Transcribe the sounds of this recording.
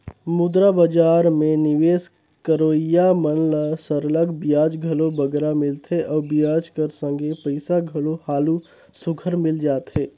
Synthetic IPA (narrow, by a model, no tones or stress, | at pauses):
mʊd̪ɾabəd͡ʒaːɾmẽnɪʋeːs | kəɾoːijamənləsəɾələɡbjaːd͡ʒɡʱəlobəɡɾamɪlt̪ʰeʔɔːbjaːd͡ʒkəɾsə̃ŋɡepəɪsaɡʱəlohaːlu | sʊɡʰʱəɾmɪld͡ʒaːt̪ɦeː